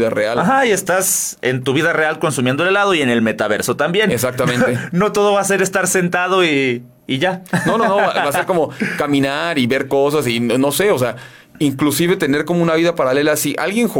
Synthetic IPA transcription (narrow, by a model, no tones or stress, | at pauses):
ðarealaxaie̞st̪asent̪uβiðare̞alko̞nsumjend̪ollaðo̞ie̞ne̞lme̞t̪aβe̞ɾso̞t̪ambje̞nes̬ak̚t̪amẽnt̪eno̞t̪o̞ð̞o̞βaːse̞ɾe̞st̪aɾse̞nt̪að̞o̞iː | ʝanononoβabase̞ɾko̞mo̞kamĩnaɾiβe̞ɾko̞s̬asinono̞se̞os̬ea | iŋklusiβe̞t̪e̞ne̞ɾkomounaβiðapaɾale̞lasiʔa̰lɣje̞ŋx